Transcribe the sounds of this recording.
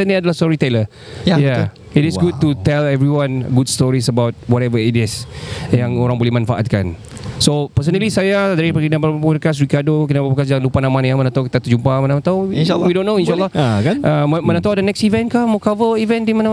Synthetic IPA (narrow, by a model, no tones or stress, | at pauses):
ɛndeadalahstɔɹit̪ɛlə | ja | itisɡud̚tut̪ɛlɛvɹiwãnɡudstɔɹisəbawt̚wɔtɛvəitisjaŋoɾaŋbolɛmanfaʔa̰t̪̚ka̰n | sopəs̬ənəlisajadaɾipəɡinappunəkas̬ɾikadokinabapəkasd͡ʒaŋnlupanamãnjamənat̪awki̥t̪at̪ud͡ʒumpamanamat̪awwidõnːoĩnʃalːɔkaʔəmənãt̪awdənɛksivɛ̃nkamokavəivɛ̃ndimana